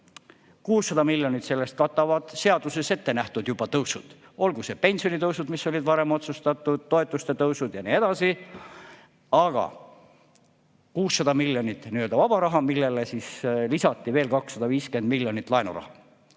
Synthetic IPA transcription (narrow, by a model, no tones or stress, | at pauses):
kuːsːɑd̪ɑmilʲːjo̞nʲit̪se̞lːe̞st̪̚kɑt̪ːˑɑvɑd̪̥se̞ɑd̪use̞se̞t̪ːe̞næht̪ud̪̥jub̥ɑt̪ɤwsud̪̥ | o̞lɡuse̞pe̞nʲsio̞nit̪ɤwsud̪misːo̞lʲid̪vɑɾe̞mo̞t̪sust̪ɑt̪ːˑud̪̥ːo̞e̞t̪ːˑust̪e̞t̪ɤwsud̪̥jɑniːe̞d̪̥ɑsi | ɑɡ̥ɑ̰ | kuːsːɑd̪ɑmilʲjo̞nit̪ːˑniø̞ld̪ɑvɑb̥ɑɾɑɦɑmilːe̞lesislisɑt̪ːˑive̞ːlkɑksːɑd̪ɑviːske̞nd̪̚milːjo̞nit̪ːˑlɑenṵrɑ̰hɑ